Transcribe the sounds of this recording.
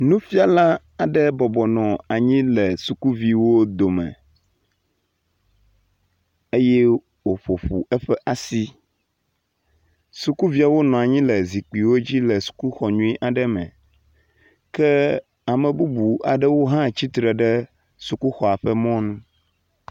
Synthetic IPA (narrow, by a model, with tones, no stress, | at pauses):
nũ˦fi˦a˨la˦ | a˨ɖɛ˦bɔ˨bɔ˨nɔ̃˨a˨ɲĩ˦lɛ˨su˨ku˦vi˦wo˦d̪o˨mɛ̰̃˨ | e˦jɛ˦ | wo˨ɸo˨ɸu˨ɛ˦ɸɛ˦ʔa˨si˦ | su˨ku˦vi˦a˨wo˦nɔ̃˨a˨ɲĩ˦lɛ˨zi˨k͡pi˨wo˦d͡ʑi˦lɛ˨su̥˨ku˦xɔ˨ɲũ˦i˦ʔa˨ɖɛ˦mɛ̰̃˨ | kɛ˦ | a˨mɛ̃˨bu˦bu˨a̰˨ɖɛ˦wo˦ɦã˦t͡ɕi˦t̪ɾɛ˨ɖɛ˦ | su˨ku˦xɔ˨a˨ɸɛ˦mɔ̃˦nũ˦